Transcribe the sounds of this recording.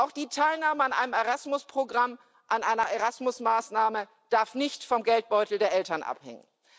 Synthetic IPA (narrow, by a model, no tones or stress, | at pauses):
ʔaʊxd̥iːtʰaɪlnaːməanʔa̰ɪnəmeʁasmʊspʁ̥oɡʁam | ʔanʔaɪnɐʔeʁasmʊsmaːsnaːmə | d̥aɐfnɪçtfɔmɡɛlt̚b̥ɔʏtl̩deːɐʔɛltɐnʔa̰phɛ̰ŋə̰n